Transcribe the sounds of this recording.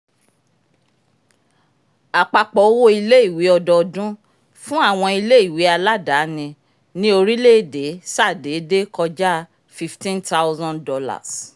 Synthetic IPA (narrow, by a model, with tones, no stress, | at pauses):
a˨k͡pa˨k͡pɔ˨o˦wo˦i˧le˦i˦˨wi˨˦ɔ˧dɔ˧dũ˦ | fũ˦a˦˨w̃ɔ̃˧i˧le˦i˦˨wi˨˦a˧la˦da˨˦nĩ˧ | nĩ˦o˧ɾi˦le˦˨de˨˦sa˦˨de˨˦de˦kɔ˧d͡ʒa˦ | fi˦ftĩ˦nta˦wzɔ̃˦ndɔ˧la̰˨s